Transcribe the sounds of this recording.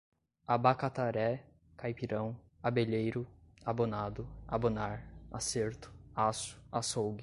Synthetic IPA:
abakat̪aɾɛ | kajpiɾɐ̃w̃ | abeʎejɾʊabonad̪ʊabonaɾa̰seɾt̪ʊ̥asʊ̥asowɡɪ

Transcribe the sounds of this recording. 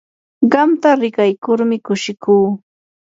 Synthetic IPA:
ɢɑmt̪aɾɪkajkʊɾmɪkʊʃɪkuː

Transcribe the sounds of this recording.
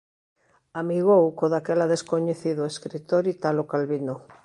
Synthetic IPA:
amiɣowkoðakelaðeskoɲeθiðoeskɾit̪oɾit̪alokalβino

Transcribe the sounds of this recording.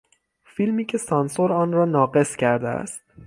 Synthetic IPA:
filmiːcʰe̞sɒːnsoɾɒːnrɒːnɒːɡe̞scʰæɾd̪eæ̰st̪

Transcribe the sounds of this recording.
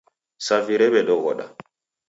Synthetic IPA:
saviɾɛɓɛɗɔɡɔ̰ɗa̰

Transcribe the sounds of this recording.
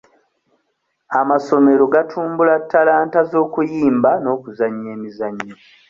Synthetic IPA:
amaso̞me̞ɾo̞ɡatʰuːmbulatːalaːntazo̞ːkujiːmbano̞ːkuzaɲːe̞ːmizaɲːo

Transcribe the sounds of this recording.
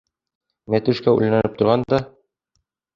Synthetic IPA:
mæt̪ɘ̆ʃkæʉ̰lnænɘp̚t̪ŏɾʁɑnd̪ɒ

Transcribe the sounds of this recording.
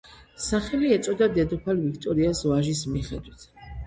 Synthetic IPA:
saχɛliɛt̪sʼɔd̪ad̪ɛd̪ɔpʰalvikʰt̪ʼɔɾiasvaʒismiχɛd̪wit̪ʰ

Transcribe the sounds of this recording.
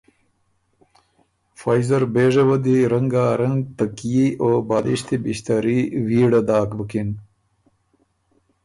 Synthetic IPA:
faːjzɐɾbeːʐɐwɐd̪iɾɐŋɡaːɾɐŋɡt̪əkijiobaːd̪iɕt̪ibiɕt̪aɾiwiːɽad̪aːkbəkin

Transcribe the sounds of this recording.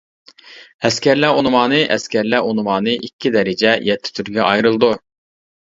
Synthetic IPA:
ɛskʲʰæɾlæonmɑːnɨʔɛskʲæɾlæonɨwɑːnɨʔikʲːid̪ɛɾɪd͡ʒɛjɛt̪ʰːɪ̥t̪ʰyɾɡʲɛʔɑjɾɨlˠd̪u

